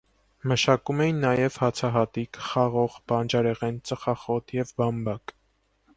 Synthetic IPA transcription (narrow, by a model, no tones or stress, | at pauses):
məʃɑkumɛjinːɑjɛvhɑt͡sʰɑɦɑt̪ikχɑʁɔʁb̥ɑnd͡ʒɑɾɛʁɛnt͡səχɑχɔt̪ʰjɛvbɑmbɑk